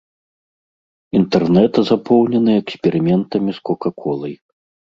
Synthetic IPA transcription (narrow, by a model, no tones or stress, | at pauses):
int̪ɛrnɛt̪ɐzapʰɔwnʲɛnɨɛksʲpʲɛɾɨmʲɛnt̪ɐmʲiskɔkakʰɔlˠɐj